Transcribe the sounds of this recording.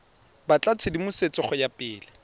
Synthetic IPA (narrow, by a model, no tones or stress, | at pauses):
bat͡ɬʼat͡sʰɪdimʊset͡sʼɪχɔjapʼɪːlɪ